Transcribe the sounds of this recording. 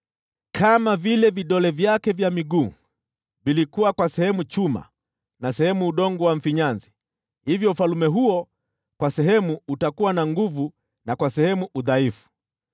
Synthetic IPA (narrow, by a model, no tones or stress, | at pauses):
kʰamavilɛviɗɔlɛvjakɛvjamiɡuː | vilikuwakwasɛhɛmut͡ʃuma̰ | nasɛhɛmuːɗɔŋɡɔwaɱ̩fiɲanzi | hivjɔufalumɛɦuɔ | kwasɛɦɛmuutakuwanaŋɡuvu | nakwasɛhɛmuʔuðaifu̥